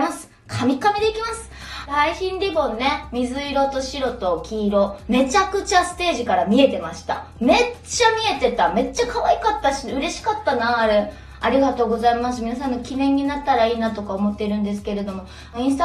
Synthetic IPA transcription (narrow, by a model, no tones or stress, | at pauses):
masɨ̥ | kʰamʲikamʲed̪eikʲimasɨ̥ | ɾaiçĩnɾʲibõ̞nːe̞mʲizɨiɾo̞t̪o̞ɕiɾo̞t̪o̞kʲiːɾo̞me̞t͡ɕakɯ̟t͡ɕasɨ̥t̪e̞ːʑikaɾamʲie̞t̪e̞maɕi̥t̪a̰me̞t͡ɕamʲie̞t̪e̞t̪ame̞t͡ɕːakaβaikat̪ːaɕiɯ̟ɾe̞ɕi̥kat̪ːanaːɾe | aɾʲiɡat̪o̞ːɡo̞zaimas̬ɨmʲinas̬ãnːo̞kʲinẽ̞ɲ̟ːinat̪ːaɾaiːnat̪o̞kaomo̞t̪ːeiɾɯ̟̃nd̪e̞sɨ̥ke̞ɾe̞d̪o̞mo̞ | ĩst̪